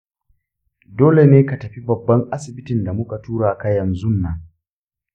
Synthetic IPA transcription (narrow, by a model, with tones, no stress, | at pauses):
doː˦le˨neː˦ka˨tɐ˨ɸi˦bɐ˨bːɐ˦ŋʔa˦sɪ˨bɪ˦tɪ˨nda˨mʊ˦ka˨tuː˦ɽaː˨ka˦jɐ˨nzʊ˦nːɐ˨ŋ